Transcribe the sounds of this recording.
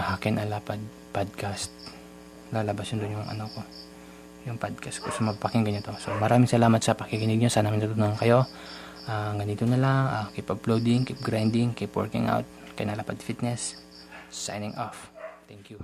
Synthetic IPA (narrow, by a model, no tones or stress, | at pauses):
hakɪnʔɐlaːpɐd̪̚ | pad̪̚kast̪̚ | laːlɐbasjond̪ʊnjʊŋʔɐ̰noko̞ | jʊŋpad̪̚kast̪kosɐmɐbpɐkɪŋɡɐɲot̪o̞somɐɾaːmɪŋsɐlaːmɐt̪sɐpɐkɪkɪnɪɡ̚ɲosaːnaːmɪnt̪ɐt̪ʊnoɐŋkɐjo̞ | ʔaːŋɡɐnit̪onɐlaŋakipɐplowd̪ɪŋkip̚ɡɾajnd̪ɪŋkipwɛ̰ɹkɪ̰ŋʔa̰wt̪̚kjnɐlapɐd̪fit̪̚nɛs | sa̰jnɪŋʔoft̪ɛŋkju